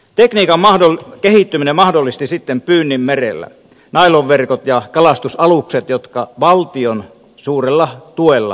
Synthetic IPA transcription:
t̪ekniːkɑmmɑhdolkehit̪ːyminemɑhdolːˑist̪isit̪ːempyːnːimmerḛlːæ̰ | nɑiloʋʋerkot̪jɑkɑlɑst̪usɑlukset̪jot̪kɑʋɑlt̪ion | suːrelːɑt̪uelːɑ̰

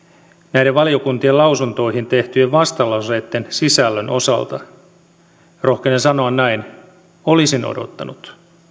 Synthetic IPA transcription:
næjɾeʋʋɑlio̞kunt̪ielɑwsunt̪o̞ihint̪e̞ht̪yeʋʋɑst̪ɑlːɑset̪ːensisælːønʔo̞̰sɑ̰lt̪ɑ | rʔo̞hkenensɑno̞ɑnnæin | olisino̰do̰t̪ːɑnut̪

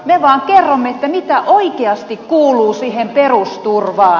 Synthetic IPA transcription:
meʋɑːŋkerːomːeet̪ːæmit̪æʔoikeɑst̪ikkuːluːsiːhemperust̪urʋɑː

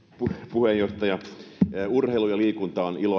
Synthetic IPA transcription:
pupuhejjoht̪ɑjɑ | urheilujɑliːkunt̪ɑonilo

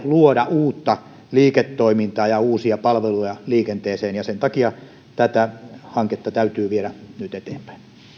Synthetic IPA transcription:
luodɑuːt̪ːɑ | liːket̪ːoimint̪ɑːjɑuːsiɑpɑlʋelujɑliːkent̪eːseːnjɑsent̪ɑkiɑ | t̪æt̪æhɑŋket̪ːɑt̪æyt̪yːʋieɾænyt̪et̪eːmpæ̥in

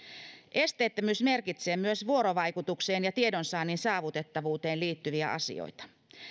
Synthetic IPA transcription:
ʔe̞st̪eːt̪ːømyːsme̞rkit̪se̞ːmyøsʋuoɾoʋɑjkut̪ukseːnjɑt̪iedonsɑːninsɑːʋut̪e̞t̪ːɑʋuːt̪e̞ːnliːt̪ːyʋiæ̰ʔɑ̰sḭo̰jt̪ɑ̥

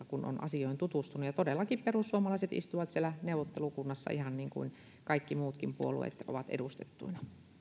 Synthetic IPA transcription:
kuno̰nʔɑ̰sioˑint̪ut̪ust̪unːujɑt̪odelːɑkipperusːuomɑlɑˑiset̪ḭst̪uʋɑt̪sielːˑæneˑuwʋot̪ːelukunːɑsːɑ̰ʔihɑnniːŋkṵin | kɑikːimuːt̪kimpuolṵḛt̪o̰ʋɑt̪ḛdust̪et̪ːṵinɑ

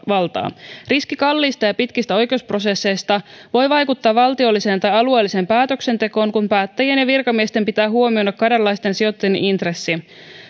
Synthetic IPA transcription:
ʋɑlt̪ɑ̰ːriskikɑlːiːst̪ɑjɑpit̪kist̪æo̞jk̟e̞uspro̞se̞sːe̞jst̪ɑʋo̞jʋɑjkut̪ːɑːʋʋɑlt̪io̞lːise̞ːnt̪ɑjɑlue̞ːlːise̞ːmpæːt̪ø̞kse̞nt̪e̞ko̞ːŋkumpæːt̪ːæjienjɑʋirkɑmiest̪e̞mpit̪æːɦuo̞mio̞dɑkːɑdɑlːɑjst̪e̞nsio̞t̪ːejḛnʔint̪resːi

